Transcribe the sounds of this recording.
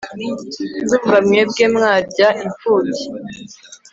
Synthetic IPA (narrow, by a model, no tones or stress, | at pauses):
zuːɱvamŋebɡeːmŋaːɾɟaʔiɱfuːti̥